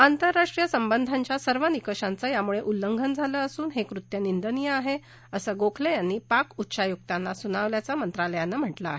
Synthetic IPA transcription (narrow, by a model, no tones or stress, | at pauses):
ant̪əɾːaʂʈɾijəsəmbənd̪ʱaɲt͡ɕjasəɾʋənikəɕant͡səjamuɭeʔulːəŋɡʱənd͡zʱaləːəsuːnɦekɾut̪jənind̪ənijəaɦe | əsəɡokʰlejanːiːpakutːɕajuk̚t̪anːasunaʋljat͡samənt̪ɾaləjanːam̤əʈlaːɦe